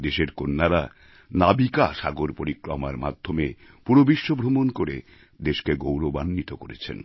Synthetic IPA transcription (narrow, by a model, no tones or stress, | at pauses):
d̪eʃeɾkonːaɾa | nabikaʃaɡoɾpoɾikɾomaɾma̰d̪ʱːome | puɾobiʃːobʱɾomonkoɾe | d̪eʃkeɡowɾobanːit̪okoɾet͡ɕʰḛn